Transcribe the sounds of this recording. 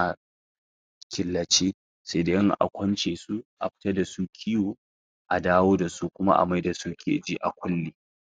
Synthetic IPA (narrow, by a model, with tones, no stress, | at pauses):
ʔa˨ | kʲɪ˨lːɐ˨t͡ʃeː˦ | sa˦da˦ʔɪ˦ŋʔa̰˨kʷɐ˦nt͡ʃeː˨su˦ʔa̰˨ɸɪ̥˦tɐ˦da˨su˦kʲʰi˦jwoː˨ | ʔa˨daː˦woː˦da˨su˦kʷʊ˦ma̰˦ʔa̰˨ma˦jda˨su˦kʲʰḛː˨d͡ʒi˦ʔa̰˨kʷʊ˦lːeː˨